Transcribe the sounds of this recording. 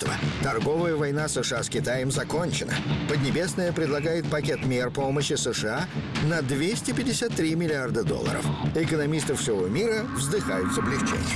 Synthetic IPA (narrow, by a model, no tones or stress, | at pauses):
t̪və̰t̪ɐrɡo̞vəjəvɐjn̪asɨʂɨaskʲɪt̪ajəmzɐko̞nʲt͡ɕɪnə̰pəd̪ʲnʲɪbʲe̞snəjəpɾʲɪd̪lˠɐɡajɪt̪̚pɐkʲet̪mʲerpoməɕːɪsɨʂɨanɐd̪vʲesʲtʲɪpʲɪdʲɪsʲat̪ːɾʲimʲɪlʲɪard̪əd̪o̰lˠːə̰ɾə̰fɪkənɐmʲist̪ɨfsʲɪvomʲiɾəvzd̪ɨxajʊt̪səblʲɪxt͡ɕḛnʲ